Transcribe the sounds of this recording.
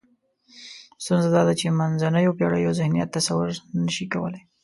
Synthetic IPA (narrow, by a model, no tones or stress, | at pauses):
st̪unzad̪ɑd̪at͡ʃemanzanəjopjɑɽəjawzɪhnija̰t̪ːasawʊɾnəʃikawə̰laj